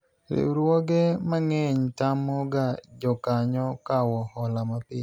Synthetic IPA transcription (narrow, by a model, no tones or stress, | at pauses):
ɾɪ̰wɾwoɡemaŋeɲtamɔɡad͡ʒɔkaɲɔkawɔhɔlamapɪ